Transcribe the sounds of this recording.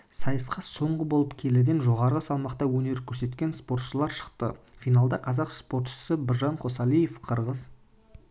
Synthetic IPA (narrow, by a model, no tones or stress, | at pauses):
sɑjəsqɑso̞ɴʁəbo̞lˠəpkʲʰe̞lɪd̪e̞nʒo̞ʁɑɾəʁəsɑlˠmɑqt̪ɑwɵne̞ɾkʲʰɵɾse̞t̪kʲe̞nspo̞rt̪ʃəlˠɑɾʃə̥qt̪ə̰fijnalˠd̪ɑqʰɑzɑqspo̞ɾt̪ʃə̥səbɪɾʒɑɴqʰo̞sɑlˠije̞fqʰəɾʁəz